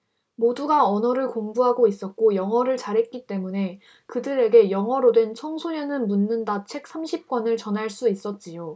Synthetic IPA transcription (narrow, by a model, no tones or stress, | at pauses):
moduɡaʌnʌɾɯɭkombuɦaɡois͈ʌt̚k͈ojʌŋɦʌɾɯɭt͡ɕaɾɦe̞t̚k͈it͈e̞mune̞ | kɯdɯɾe̞ɡe̞jʌŋɦʌɾodwe̞nt͡ɕʰʌŋsʰoɲʌnɯnmunːɯndat͡ɕʰe̞k̚s͈ʰamɕʰip̚k͈wʌnɯɭt͡ɕʌnɦaɭs͈uis͈ʌt̚t͡ɕ͈ijo